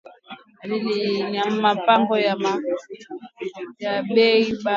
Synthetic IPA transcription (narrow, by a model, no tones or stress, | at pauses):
aliliɲam̩mapaŋɡɔjama | jabɛiba